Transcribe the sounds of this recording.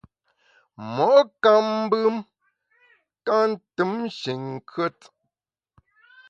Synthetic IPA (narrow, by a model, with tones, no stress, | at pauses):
mɔ˨˦ʔka˦m˦bɨ˦m | ka˦n̩˦tɨ˦mʃi˨ŋ˨kʰɥə˦t